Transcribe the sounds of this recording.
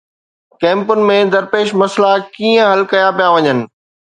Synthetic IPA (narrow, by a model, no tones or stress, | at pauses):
kɛ̃ːmpʊnɪ̆mẽd̪ɐɾpeːʃmɐslakiːə̃ɦɐlkɐjãpijaʋɐɲənɪ̆